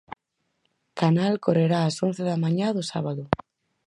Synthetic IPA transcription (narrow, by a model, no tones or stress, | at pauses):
kanalkoreɾaːsonθeðamaɲaðosa̰βaðo